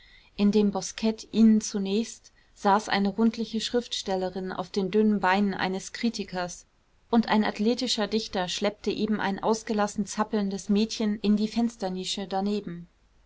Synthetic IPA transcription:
ʔɪndeːmbɔskʰɛtʔiːnənt͡sunɛːçst | z̥aːsʔa̰ɪnəʁʊntʰlɪçəʃʁ̥ɪftʃtɛləʁɪnʔa̰ʊfd̥eːndʏnənbaɪnənʔa̰ɪnəskʁ̥iːtɪkʰɐs | ʔʊntʔa̰ɪna̰tleːtɪʃɐdɪçtɐʃlɛp̚təʔeːbm̩ʔa̰ɪnʔaʊsɡ̥əlasn̩t͡sapl̩ndəsmɛːtçənʔɪndiːfɛnstɐniːʃədaneːbm̩

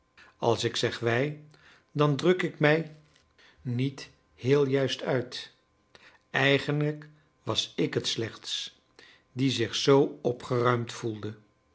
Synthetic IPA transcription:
ɑ̰lˠsɪksɛχʋɛj | dɑndrɵkɪkmɛj | nit | hɪːlˠjœɥstœɥt | ɛjχənlək | ʋɑsɪkɦətslɛχts | dizɪχsowɔpχərœɥmtfulˠdə

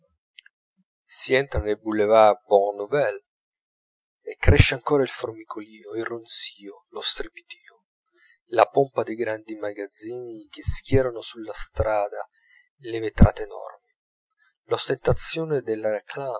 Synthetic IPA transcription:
siɛnt̪ɾanelbulːevaboʁnovɛl | ekːɾɛʃːeaŋkoːɾailformikʰoliːoilronsiːolost̪ɾipi̥t̪iːo | lapompad̪ejɡɾand̪imaɡad̪zːiːnikeskjɛːɾanosulːast̪ɾaːd̪a | levet̪ɾa̰ːt̪eːnɔ̰rmi | lost̪ent̪at̪sːjoːned̪elːaɾekʰlaː

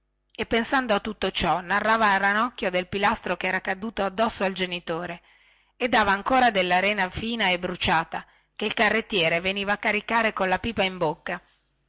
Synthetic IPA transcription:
epːensand̪oat̪ːut̪ːot͡ʃɔnarːaːvaɾanɔkːjod̪elpilast̪ɾokɛːɾakad̪uːt̪oad̪ːɔsːoald͡ʒenit̪oːɾe | ed̪ːaːvaːŋkoːɾad̪elːaɾɛːnafiːnaebɾut͡ʃaːt̪a | keilkarːet̪ːjɛːɾeveniːvaːkːaɾikaːɾekonlapiːpaimbokːa

